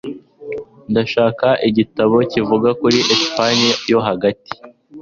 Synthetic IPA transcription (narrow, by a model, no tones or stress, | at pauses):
ndaʃaːkaʔiɟitaβo̞civuɡakuɾiʔespaniajo̞ɦaɡati̥